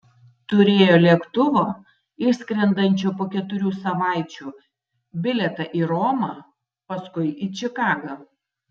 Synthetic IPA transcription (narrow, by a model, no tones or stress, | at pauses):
t̪ʊɾʲeːjoːlʲiɛkt̪ʊʋoː | ɪʃsʲkɾʲɛnd̪ɐnʲt͡ʃʲoːpoːkʲɛt̪ʊɾʲuːsɐʋɑˑɪt͡ʃʲuː | bʲɪlʲɛt̪ɐʔiːɾɔːmɑː | pɐskʊɪit͡ʃʲɪkɑːɡɐ